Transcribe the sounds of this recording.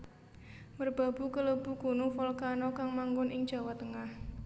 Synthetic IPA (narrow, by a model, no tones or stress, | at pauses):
mərb̥a̤b̥ṳkələb̥ṳɡ̥o̤nufɔlkanɔkaŋmaŋɡʊnʔɪŋd͡ʒ̥a̤wat̪əŋah